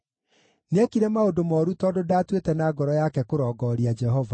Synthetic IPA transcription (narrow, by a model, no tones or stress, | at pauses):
nɛkiɾɛmaodomɔːɾutɔdodaːtwetɛnaːɡɔɾɔjakɛkoɾɔːɡɔɾiad͡ʒɛɦɔva